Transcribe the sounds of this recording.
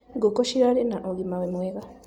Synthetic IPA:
ɡokoʃiɾalenaʔoɡimawemweɣa

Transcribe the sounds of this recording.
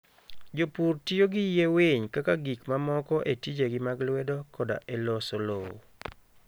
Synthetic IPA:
d͡ʒopurtijoɡɪjeweɲkakaɡikmamɔkɔʔetid͡ʒeɡɪmaɡlwɛdokɔda̰ʔelɔsolo̰

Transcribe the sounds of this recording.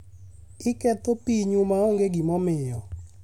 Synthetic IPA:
ɪkɛt̪opiɲumaoŋɡeɡimɔmɪjɔ

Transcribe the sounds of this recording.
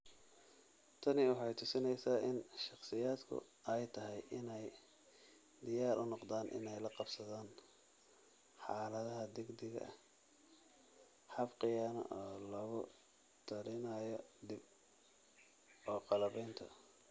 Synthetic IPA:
t̪ʰɐnɪwɑħɑjt̪ʰʊsɪnɛjsaːʔɪnʃɑχsɪjaːd̪kʰʊ̰ | ɛjt̪ʰɐɦɛjʔɪnɛj | d̪ɪjaːɾʔʊnɔqd̪aːnʔɪ̰nɛjlɐqɑbsɐðaːn | ħɑːlɐðɐɦɐd̪ɪɡd̪ɪɣɐ̰ | ħɑfqɪjaːnɐ̰ʔɔːlɔːɣʊ | t̪ʰɐɾɪnajɔd̪ɪb̚ | ɔːqɑlɐβɛjnt̪ʰɔ̰

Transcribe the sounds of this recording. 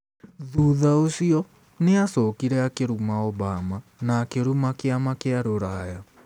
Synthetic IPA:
ðuðaosiɔ | neasɔkiɾɛakeɾumaɔbamanaːkeɾumakeamakeaɾoɾaja

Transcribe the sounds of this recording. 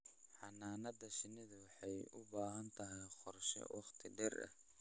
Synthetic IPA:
ħɑnaːnɐd̪ɐʃɪnɪðɐwɑħɑjʊbaːɦɐnt̪ʰɐɦɛjqɔrʃɛ̰wʔɑqt̪ʰɪɖɛrɐ̰h

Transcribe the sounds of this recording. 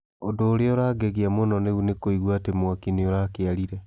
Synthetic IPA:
odoːɾeoɾaːɡɛɣeamonɔneunekoiɣwaːtemwakineoɾakeaɾiɾɛ

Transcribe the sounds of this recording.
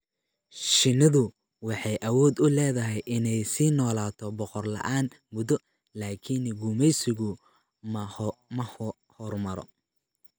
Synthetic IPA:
ʃɪnɐðʊ | wɑħɑjʔɐwɔːd̪ʊlɛːðɐɦɛjʔɪnɛjsiːnɔːlaːt̪ʰɔbɔqɔrlɐ̰ʔaːn | mʊðɔ | laːkʰɪnɡumɛjsɪɣʊ | mmɐ | hɔrmɐɾɔ̰

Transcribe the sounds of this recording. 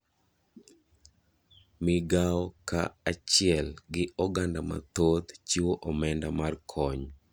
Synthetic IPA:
mɪɡaɔkaat͡ʃɪɛlɡɪɔɡandama̰t̪od̪t͡ʃiwoʔɔmɛndamarkʰɔɲ

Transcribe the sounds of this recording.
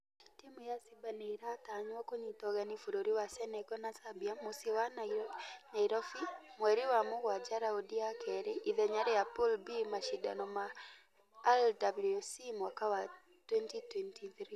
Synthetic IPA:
timujasibaneiɾataɲwakoɲitɔɣanifuɾoɾiwasɛnɛkɔnasabiamosiwanɲaiɾɔfimwɛɾiwamowad͡ʒaɾaodiakɛɾeʔiðɛɲaɾejapulbimaʃida̰nɔma | ɛldablusimakawa | twɛntitwɛntiθɾi

